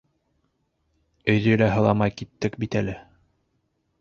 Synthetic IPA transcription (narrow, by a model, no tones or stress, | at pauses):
ɵ̆jðɵjlæɦɤ̆lˠɑmɑjkit̪ːɘkbit̪ælɘ